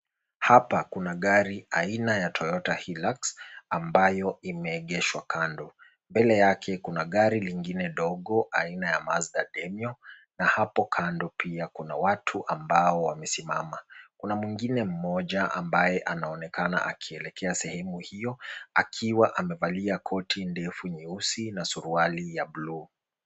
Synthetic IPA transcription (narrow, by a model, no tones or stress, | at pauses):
hapakunaɠaɾiainajatʰɔjɔtahilaksambajɔimɛːɠɛʃwakandɔ | mbɛlɛjakʰɛkunaɠaɾiliŋɡinɛɗɔɠɔʔainajamazɗaɗɛmjɔnahapɔkʰandɔpiakuna̰watʰuʔambaɔwamɛsimamakunamwiŋɡinɛm̩mɔʄaʔa̰mbajɛʔanaɔnɛkana̰ʔa̰kʰiɛlɛkʰɛasɛhɛmuhijɔakʰiwaʔamɛvaliakʰɔtʰindɛfuɲiusinasuɾualijablu